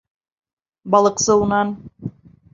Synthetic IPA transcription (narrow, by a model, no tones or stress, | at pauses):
bɑlˠɤ̆qsɤunɑn